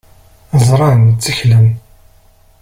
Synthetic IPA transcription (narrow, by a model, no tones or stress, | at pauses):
zˤɾˤɑnt͡sːiçləm